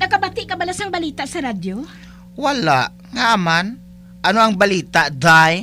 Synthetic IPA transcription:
nɐkɐbat̪ɪʔkɐbɐlasaŋbɐliːt̪aʔsɐɾad̪jo | wɐlaʔ | ŋaʔaman | ʔɐnoʔɐŋbɐliːt̪aʔd̪aj

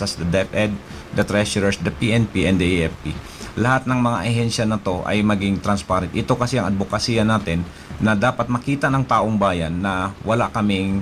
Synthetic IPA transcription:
ɐsd̪ɐd̪ɛpʔɛd̪̚ | d̪ɐt̪ɾɛʃʊɹɛɹsd̪ɐpiʔɛnpiʔɛnd̪ɐʔiʔɛfpi | lɐhat̪̚nɐŋmɐŋaʔɐɦɛnʃɐnɐt̪o̞ʔɐ̰jmɐɡɪŋt̪ɾɐnspaːɾɛnt̪ʔɪt̪o̞kɐsɛʔɐŋʔɐd̪̚bokɐsiːɐnaːt̪ɪnː | ɐd̪aːpɐt̪̚mɐkiːt̪ɐnɐŋt̪aːʔoŋbaːjɐnːɐwɐlaʔkɐmɪŋ

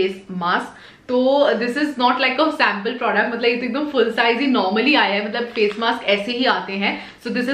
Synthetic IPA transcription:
eːsmaːsk | t̪oːd̪ɪsɪznɔːʈlaɪkəsɛ̃ːmpəlpɾɔːɖək̚ʈmɐt̪ləbɪt̪ɪkɡ̚d̪ə̃mfʊlsaːɪzɦinɔːɾməliaːjaɦɛmɐt̪ləbfeːsmaːskɛːseɦiaːt̪eɦɛ̃ | soːd̪ɪsɪ

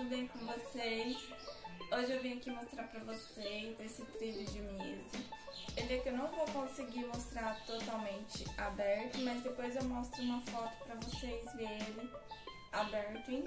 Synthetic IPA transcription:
ud̪ejkõvosejs | oʒɪewvĩɲɐkimost̪ɾaɾpɾɐvosejzd̪esɪt̪ɾilʊd͡ʒɪmiezʊelɪɛkɪewnɐ̃w̃vowkõsɪɡiɾmost̪ɾaɾt̪ot̪awmẽnt͡ʃɪabɛɾt̪ʊmɐzd̪epojzewmɔst̪ɾʊũmɐfɔt̪ʊ̥pɾɐvosejzveelɪ | abɛɾt̪ʊẽ

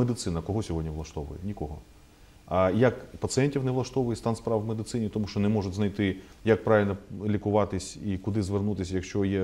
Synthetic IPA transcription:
med̪ɪt̪sɪnɐkɔɦɔsʲɔɦɔdʲnʲiʋlˠɐʃt̪ɔʋʊ̰jɛ̰nʲikɔɦɔ | jɐkpɐt̪sɨɛnʲtʲiwneʋlˠɐʃt̪ɔʋʊjɛst̪ɑnspɾɑwmed̪ɪt̪sɪnʲit̪ɔmuʃt͡ʃɔnɛmɔʐʊtʲznɐjt̪ɪ | jɐk̚pɾɑʋʲilʲnɔlʲikʊʋɑt̪ɪsʲikʊd̪ɪzʋernut̪ɪsʲjɐkʃt͡ʃɔjɛ

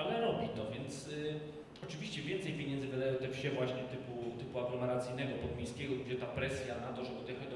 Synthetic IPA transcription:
alɛɾɔbʲit̪ɔvʲjɛnt̪s | ɔt͡ʂɘvʲiɕt͡ɕɛvʲjɛnt̪sɛjpʲjeɲɛnd̪zɨvɨd̪ajɛt̪ɛfɕɛvwaɕɲɛt̪ɘput̪ɘpuaɡlɔmɛɾat̪sɘjnɛɡɔpɔd̪mʲejskʲɛɡɔɡd͡ʑɛt̪apɾɛsʲjanat̪ɔʐɛbud̪ʲjɛxat͡ɕ̪

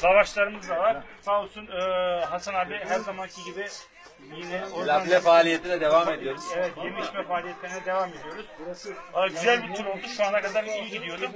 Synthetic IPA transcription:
lavaʃlˠaɾɯmɯzd̪avaɾsasunɯːɦasanaːbiɦæɾzamancʰiɟibɪ | jinɛoalʲɛfaːlʲijet̪ʰid̪ɛd̪e̞vamed̪ijo̞ɾuz̥evɛt̪je̞miʃmɛfaːlʲijɛt̪lʲeɾinɛd̪e̞vame̞d̪ijo̞ɾuz̥aɟyzælʲbit̪ʰyɾo̞lˠd̪uʃuanakad̪aɾijiɟid̪ijo̞d̪um

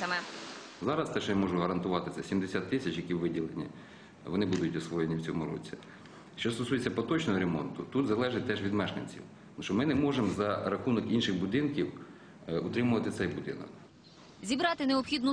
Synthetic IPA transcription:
ɐmɛ | zɑɾɐst̪ɛʃɔjamɔʒʊɦɐɾɐnt̪ʊʋɑt̪ɪsʲɛsʲimd̪esʲat̪ːɪsʲɐt͡ʃjɐkʲiwʋɪdʲilˠenʲḭ | ʋɔnɪbud̪ʊtʲɔsʋɔjenʲiwt͡sʲɔmʊɾɔ̰t͡sʲi | ʃt͡ʃɔst̪ɔsujet͡sʲːɐpɔt̪ɔt͡ʃnɔɦɔɾemɔ̰nt̪ʊt̪ut̪zɐlˠɛʒɪt̚ʲt̪ɛʒʋʲid̪mɛʃk̪ɐ̰nʲt͡sʲḭw | mʃɔmɪnemɔʒemzɐɾɐxunɔkinʃɪxbʊd̪ɪnkʲiw | ʊt̪ɾɪmʊʋɐt̪ɪt̪sɛjbʊd̪ɪ̰nɐ̰k | zʲibɾɑt̪ɪneɔpxʲid̪nʊ

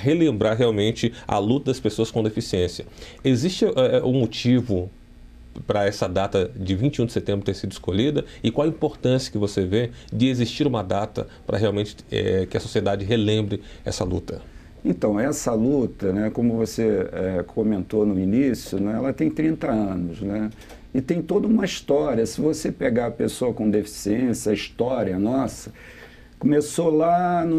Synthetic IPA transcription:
ɦelẽmbɾaɾɦeawmẽnt͡ʃɪɐ̰lut̪ɐd̪ɐspesoɐskõd̪efisiẽsiɐezist͡ʃɪʔɛʊmot͡ʃivʊ | pɾɐɛsɐd̪at̪ɐd͡ʒɪvĩnt͡ʃɪũd͡ʒɪset̪ẽbɾʊt̪eɾsid̪ʊɪskoʎid̪ɐɪkwawɐĩpoɾt̪ɐ̃siɐ̥kɪvoseved͡ʒɪeziʃt͡ʃiɾũmɐd̪at̪ɐ̰pɾɐ̰ɦeawmẽnt͡ʃɪ̥ɛ̰kɪɐsosied̪ad͡ʒɪɦelẽmbɾɪɛ̰sɐlṵt̪ɐ | ẽnt̪ɐ̃w̃ɛsɐlut̪ɐnɛkõmʊvoseɛkomẽnt̪onʊinisjʊnɛɛlɐt̪ẽj̃t̪ɾĩnt̪ɐɐ̃nʊznɛ | ɪt̪ẽj̃t̪od̪ɐũmɐist̪ɔɾiɐsɪvosepeɡaɾɐpesoɐkõd̪efi̥siẽsjɐɐiʃt̪ɔɾiɐnɔsɐ | komesolanʊ

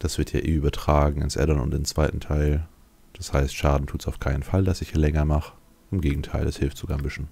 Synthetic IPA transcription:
d̥asv̥ɪɐtja̰ːʔḛːʔyːbɐtʁ̥aːɡŋ̩ɪ̰nsʔɛ̰dɐnʊ̰ntɪnt͡sv̥aɪtn̩tʰaɪl | d̥ashaɪstʃaːdn̩tʰuːtsaʊfkʰaɪnənfaldasɪçaːlɛŋɐmaχ | ʔɪmɡeːɡŋ̩tʰaɪlɛshɪlftz̥oɡaːmɪʃn̩

